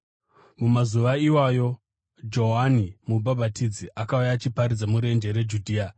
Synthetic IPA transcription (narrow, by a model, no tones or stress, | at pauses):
mumazuʋaiwajo̞ | d͡ʒo̞ɦanimubʱabʱatid͡ziʔakaujat͡ʃipaɾid͡zamuɾe̞nd͡ʒe̞ɾe̞d͡ʒudʱiːa